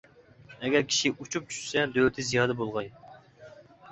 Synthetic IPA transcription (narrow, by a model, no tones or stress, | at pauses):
ɛɡʲɛɾkʲʰi̥ʃiut͡ʃʰup̚t͡ʃʰy̥ʃsɛd̪øwlɪt̪ʰɪzijɑːd̪ɛbolˠʁɑj